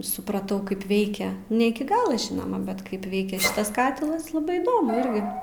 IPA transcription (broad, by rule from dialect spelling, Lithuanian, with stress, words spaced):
sʊprɐˈtɐʊ ˈkɐɪp ˈʋʲɛɪkʲɛ nʲɛ ˈɪkʲɪ ˈɡɑːlˠoː ˈʒʲɪnoːmɐ bʲɛt ˈkɐɪp ˈʋʲɛɪkʲɛ ˈʃʲɪtɐs ˈkɑːtʲɪlˠɐs lˠɐˈbɐɪ iːˈdoːmʊ ˈɪrʲɡʲɪ